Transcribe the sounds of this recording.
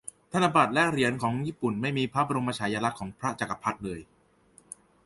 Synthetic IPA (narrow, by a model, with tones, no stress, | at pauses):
t̪ʰa˧na˧ba˨˩t̪̚lɛ˦˥ɾi˨˩˦ənkʰɔː˩˦ŋjiː˥˩pu˨˩nma˥˩jmiː˧pʰɾa˦˥ba˧ɾo˧mpa˧t͡ɕʰaː˩˦jaː˧la˦˥kʰːɔː˩˦ŋpʰɾa˦˥t͡ɕa˨˩ka˧˩pʰa˦˥t̪̚lɤː˧j